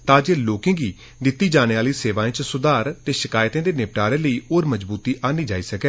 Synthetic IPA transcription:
t̪ãːd͡ʒeːloːkɪ̃ːɡiː | d̪ɪt̪ːiːd͡ʒaːñeːaːliːseːʋãːẽːt͡ʃsʊd̪aːɾt̪eːʃɪkaːɪt̪ẽːd̪eːneːpʈaːɾẽːləiːoːɾməd͡ʒbuːt̪iːʔaːniːd͡ʒaːiːsəkɛː

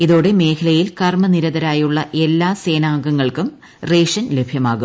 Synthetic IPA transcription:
iðo̞ːɽeme̞ːkʰɐlɐjilkɐrmɐniɾɐðɐɾaːjuɭːɐʔe̞lːaːseːnaːŋɡɐŋːɐɭkum | reːʂɐnlebʱjɐmaːɣum

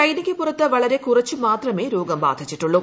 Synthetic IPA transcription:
ɐjnikʲːɨpːurɐt̪ːɨʋɐɭɐɾe̞kurɐt͡ɕːumaːt̪rɐmeːɾo̞ːɡɐmba̰ːd̪ʱit͡ɕːiʈːuɭːu

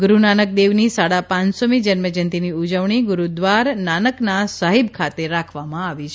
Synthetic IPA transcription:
ɡɾunanək̚d̪eʋnisaɽapãnsomid͡ʒənməd͡ʒənt̪iniud͡ʒəʋɳiɡʊɾud̪ʋaɾnanəknasaɦibkʰat̪eɾakʰʋamãaʋit͡ʃʰ

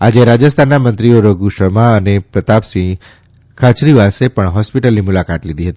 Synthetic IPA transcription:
ad͡ʒeɾad͡ʒəst̪ʰanːamənt̪ɾioɾəɡuʃəmaənepɾət̪apsĩ | kʰat͡ʃɾiʋasepəɳɦɔspiʈəlnimʊlakat̪lid̪ʱiɦət̪ii

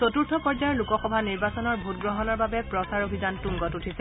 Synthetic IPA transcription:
sotuɹtʰɔpɔɹd͡ʒaɹlukɔxɔbʱaniɹbasɔnɔɹbʱutɡɹɔɦɔnɔɹbabɛpɹɔsaɹobʱizantuŋɡɔtutʰisɛ

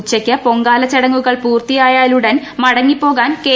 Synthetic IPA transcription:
t͡ɕːɐkʲːɐpo̞ŋɡaːlɐt͡ɕːɐɽɐŋːuɣɐɭpuːrt̪ijaːjaːluɽɐn | mɐɽɐŋːipːo̞ːɣaːnkeː

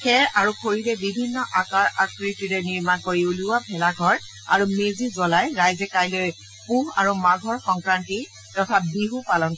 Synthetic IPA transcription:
xɛɹaɹuxʰoɹidɛbibʱinːɔʔakaɹakɹitiɹɛniɹmankoɹiuluwabʱɛlaɡʱɔɹ | a̰ɹumezizɔlajɹajzɛkajloj | puɦa̰ɹumaɡʱɔɹxɔŋkɹanti | tɔtʰabiɦupalɔnt

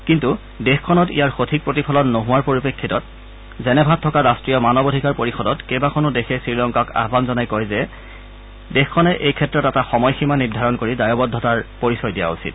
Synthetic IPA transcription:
kintu | dexkʰɔnɔtḭjaɹxotʰik̚pɹotipʰɔlɔnːoɦʊwaɹpoɹipekʰːitɔt̚ | zɛnɛbʱatʰːɔkaɹastɹijɔmanɔbodʱikaɹpoɹixɔdɔtkɛbakʰɔnʊdexʰɛsɹilɔŋkaka̰ɦbanzɔnajkɔjzɛ | dexkʰːɔnɛʔejkʰɛtːɹɔtɛtaxɔmɔjximanidʱaɹɔnkoɹidajɔbɔdʱːɔtaɹpoɹisɔjdija̰ṵsḭt̚

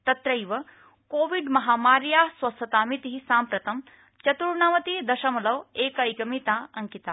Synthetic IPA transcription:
t̪ɐt̪ɾɐjʋɐ | koːʋiɖmɐɦaːmaːɾjaːsʋɐst̪ʰɐt̪aːmit̪iɦisaːmpɾɐt̪ɐm | t͡ʃɐt̪uɾɳaːʋɐt̪id̪ɐʃɐmɐlɐʋeːkɐjkɐmit̪aːɐŋkit̪aː

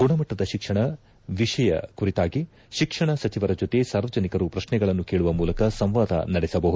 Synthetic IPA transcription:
ɡuɳɐmɐʈːɐd̪ɐʃikʂɐɳɐ | ʋiʂɐjɐ̰kuɾit̪aːɡi | ʃikʂɐɳɐsɐt͡ʃiʋɐɾɐd͡ʒot̪esaːɾʋɐd͡ʒɐnikɐɾupɾɐʃɳɛɡɐɭɐnːukeːɭuʋɐmuːlɐkɐsɐmʋaːd̪ɐ̰nɐɽɛsɐbɐɦud̪u

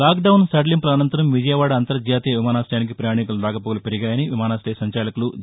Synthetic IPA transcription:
aːkɖɐwnsɐɖlimplɐnɐnt̪ɐɾɐmʋid͡ʒɐjɐʋaːɽɐɐnt̪ɐɾɐd͡ʒjaːt̪ijɐʋimaːnaːsʈɐjaːnik̬ipɾɐjaːɳikuluɾaːkɐpoːɡɐlupeɾiɡaːjɐniʋimaːnaːsʈejsɐɲt͡ʃaːlɐkulu

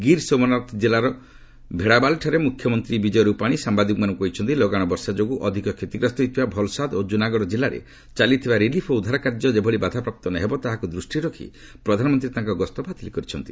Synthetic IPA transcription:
ɡiɾsomɔnat̪ʰd͡ʒelaɾɔ | bʱeɽabalʈʰaɾemukʰjɔmɔnt̪ɾibid͡ʒɔjɔɾupaɽ̃isambad̪ikmanɔŋkuɦit͡ʃʰɔnt̪̬ilɔɡaɽ̃ɔbɔɾsad͡ʒoɡuʔɔd̪ʱikɔkʰet̪iɡɾɔst̪ɔɦit̪ʰibabʱɔlsad̪od͡ʒunaɡɔɽɔd͡ʒilaɾḛ | t͡ʃalit̪ʰibaɾilipʰɔud̪ʱaɾɔkaɾd͡ʒɔd͡ʒebʱɔɭibad̪ʱapɾap̚t̪ɔnaɦebɔt̪aɦakud̪ɾusʈiɾɔkʰḭ | pɾɔd̪ʱanɔmɔnt̪ɾit̪ãŋkɔɡɔst̪ɔpat̪ʰilikɔɾit͡ʃʰɔnt̪i

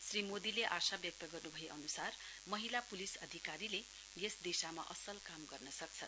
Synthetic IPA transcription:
srimod̪ileʔasabjʌk̚t̪ʌɡʌrnubʱʌjeʔʌnusar | mʌɦilapulisʌd̪ʱikaɾile | jesd̪esamaʔʌsʌlkamɡʌrnʌsʌk̚t͡sʰʌ

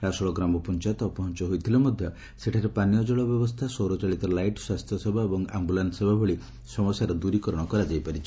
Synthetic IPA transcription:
ɾasɔɭɔɡɾamɔpɔnt͡ʃat̪ɔpɔɦɔnt͡ʃɔɦojt̪ʰilemɔd̪ʱjɔ | seʈʰaɾepanijɔd͡ʒɔɭɔbjɔbɔst̪ʰasowɾɔt͡ʃaɭit̪ɔlajʈswast̪ʰjɔsɔbʱaebɔŋa̰mbulansebʱabʱɔɭi | sɔmɔsjaɾɔd̪uɾikɔɾɔɽ̃ɔkɔɾad͡ʒajpaɾit͡ʃʰi

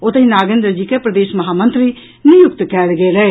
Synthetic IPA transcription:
ʊt̪ĩːnaːɡẽːnd̪ɾəd͡ʒiːkeːpɾəd̪eːʃməɦaːmənt̪ɾiː | nɪjʊkt̪kɛːlɡeːlɛe

